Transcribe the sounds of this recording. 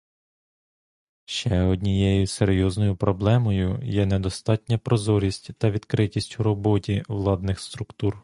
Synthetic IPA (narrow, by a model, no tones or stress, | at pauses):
ʃt͡ʃɛɔdʲnʲijɛjʊseɾʲjɔznɔjʊpɾɔblˠɛmɔjʊ̰jɛnɛd̪ɔst̪ɑtʲnʲɐpɾɔzɔɾʲisʲtʲt̪ɐʋʲid̪kɾɪtʲisʲtʲʊɾɔbɔtʲiʋlˠɑd̪nɪxst̪ɾʊkt̪ur